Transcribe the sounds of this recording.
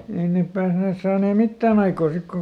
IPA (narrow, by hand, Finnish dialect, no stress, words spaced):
ei neˑp pæːsneːs sɑːneː mitːæːn ɑikoː sik koŋ